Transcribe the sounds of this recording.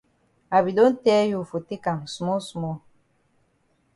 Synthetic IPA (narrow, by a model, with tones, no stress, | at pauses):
a˨bi˨do˦n̩˦tɛː˦ju˨fo˨te˦ka˨m˨su˨mɔ˦su˨mɔ˦